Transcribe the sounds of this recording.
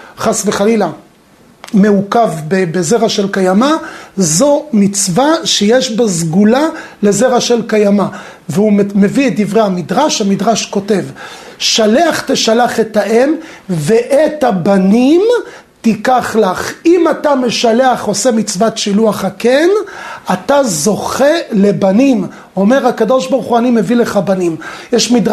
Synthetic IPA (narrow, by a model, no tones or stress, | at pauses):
χasveχalila | me̞ukavbebeze̞ʁaʃe̞lkajamazo̞mit͡svaʃejeʃbazɡula | le̞ze̞ʁaʃe̞lkajama | veumme̞viet̚d̪ivʁehamidʁaʃhamidʁaʃko̞te̞vʃale̞aχteʃalaχetaʔemveʔetabanim | tikaχlaχimatame̞ʃale̞aχo̞se̞mit͡svatʃiluaχakenatazo̞χe̞le̞banim | o̞me̞ʁhakado̞ʃbaʁuχuanimevile̞χabanimjɛʃmidʁ